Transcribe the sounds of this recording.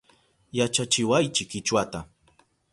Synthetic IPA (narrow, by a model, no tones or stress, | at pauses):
jat͡ʃat͡ʃɪwajt͡ʃɪkɪt͡ʃwat̪a